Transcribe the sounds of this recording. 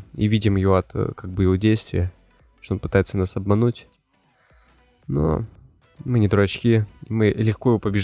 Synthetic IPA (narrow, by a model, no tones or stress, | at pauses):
ḭvʲidʲɪmjvoɐt̪kaɡ̚bɨjɪvo̞dʲejst̪vʲɪ̰jə | ʂt̪oonpɨt̪ajɪt̪sənasɐbmɐnutʲ | no̰ | mɨnʲɪd̪ɾʊɐt͡ɕkʲiimɨlʲɪxkoɪvopəbʲɪʐ